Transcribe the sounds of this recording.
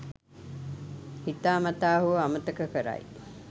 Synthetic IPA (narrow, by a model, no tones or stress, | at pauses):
hit̪aːmat̪aːɦuʋamət̪əkəkəɾa̰j